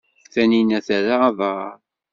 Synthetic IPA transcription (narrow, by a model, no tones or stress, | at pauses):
θæninæθæɾaːðˤɑɾ